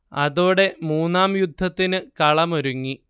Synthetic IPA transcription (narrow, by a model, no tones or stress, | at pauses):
ɐðoːɽe̞muːnːaːmjud̪ʱːɐt̪ːinɨkɐɭɐmoɾuŋːi